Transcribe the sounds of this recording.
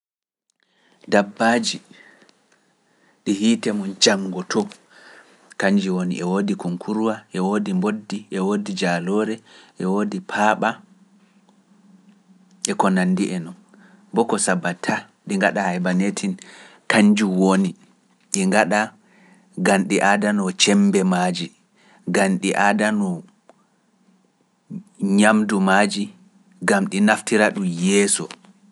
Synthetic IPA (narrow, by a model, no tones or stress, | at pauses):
dabːaːd͡ʒi | ɗihiːtɛmɔnd͡ʒaŋːɡɔtʰɔ | kaɲd͡ʒiwonḭʔɛwoːdikuŋkʰuɾwaʔɛwodimbodːiʔɛwoːdid͡ʒalɔɾɛʔɛwodipʰaːɓa | ʔɛkɔnanːdiʔɛnɔn | bɔkɔsabatʰːa | ɗiŋɡaɗahajbanetʰin | kaɲd͡ʒuwoni | ɗiŋɡaɗa | ɡanɗiʔadanɔt͡ʃɛmbɛmaːd͡ʒi | ɡanɗiʔadanɔ | ɲamdumad͡ʒi | ɡamɗinaftiɾaɗujɛːsɔ̰